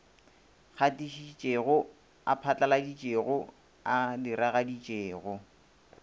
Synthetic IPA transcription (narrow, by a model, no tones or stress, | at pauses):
χatʼiʃit͡ʃʼeɣʊ | a̰pʰat͡ɬʼaladit͡ʃʼeɣʊ | adɪɾaɣadit͡ʃʼeːɣʊ